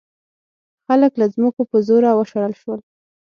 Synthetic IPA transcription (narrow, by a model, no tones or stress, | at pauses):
xaləklazməkopəzoɾawəʃaɾəlʃwəl